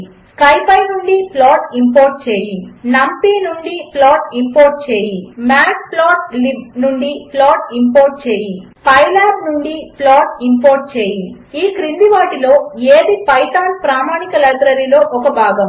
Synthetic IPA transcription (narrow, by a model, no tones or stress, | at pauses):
skɐjpɐjnuɳɖiplaːʈimpoːɾʈ̚t͡ʃeːjinɐmpinuɳɖiplaːʈimpoːɾʈ̚t͡ʃeːjimaːkplaːʈ̚libnuɳɖiplaːʈ̚impoːɾ̚t͡ʃeːji | pɐjlaːɾnuɳɖiplaːʈimpoːɾʈ̚t͡ʃeːji | iːkɾind̪iʋaːʈilo̞ːeːd̪ipɐjʈaːlpɾaːmaːnikɐlɐɡ̪ɾɐɾilo̞ːʔɔkɐbʱaːɡɐm